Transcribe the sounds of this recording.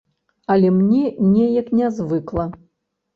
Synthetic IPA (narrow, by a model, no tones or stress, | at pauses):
ɐlʲɛmnʲɛnʲɛjɐknʲɛzvɨklˠɐ